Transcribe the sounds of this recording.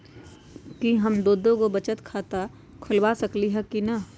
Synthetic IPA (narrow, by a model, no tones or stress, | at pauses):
kiɦɐmd̪oːd̪õkobɐt͡ʃət̪kʰaːt̪a | kʰʊlwaːsɐkliɦɛkinɐ